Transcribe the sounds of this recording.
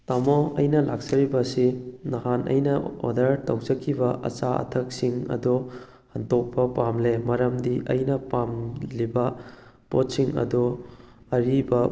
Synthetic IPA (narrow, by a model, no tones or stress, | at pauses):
tɐmoɐjnɐlak̚sɐɾibɐsinɐhanʔɐ̰jnɐo̰dɐɾtɐwd͡ʒɐkʰːibɐʔɐ̰t͡ʃaɐ̰tʰɐk̚siŋɐ̰du | hɐntok̚pɐpamlemɐɾɐmdiʔɐ̰jnɐpamlibɐ | pot̚siŋɐ̰du | ɐɾibɐ